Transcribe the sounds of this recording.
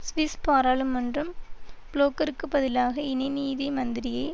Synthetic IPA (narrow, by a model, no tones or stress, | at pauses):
sʋɪspaːɾaːlɯmːɐndrɯmbloːkɐɾɯkːɯbɐðɪlaːɣɐɪnɐɪniːðɐmɐnd̪ɪɾɪjɐɪ